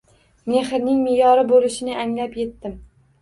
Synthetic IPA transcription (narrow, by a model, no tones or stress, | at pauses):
me̞χɪɾnɪŋmɪjɒɾɪbolɪʃɪnɪʔaŋlapje̞t̪ːɪm